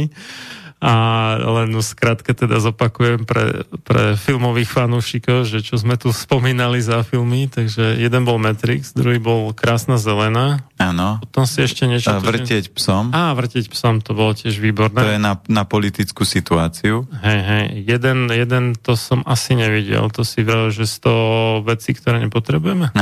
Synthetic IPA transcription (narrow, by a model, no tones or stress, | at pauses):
ʔalɛnskɾat̪kɛt̪ɛd̪azɔpakujɛmpɾɛ̰pɾɛ̰filmɔʋiːxfanuːʃikɔʊʒɛt͡ʃɔzmɛt̪uspɔmiːnalizafilmit̪aɡʒɛjɛd̪ɛnbɔlmɛt̪ɾḭɡz̥d̪ɾuɦibɔlkɾʔaːsnazɛlɛnaanɔpɔt̪ɔmsiɛʃcɛɲɛt͡ʃɔvr̩ɪɛcpsɔmaːʋr̩cɪɛcpsɔmt̪ɔbɔlɔcɪɛʒʋiːbɔɾnɛɔjɛnanapɔlit̪it͡skuːsit̪uaːt͡siuɦɛjɦɛjjɛd̪ɛnjɛd̪ɛnt̪ɔsɔmasiɲɛʋiɟɛ̰lt̪ɔsiʋɛʒɛst̪ɔʋɛt͡sikt̪ɔɾɛːɲɛpɔt̪ɾɛbujɛmɛ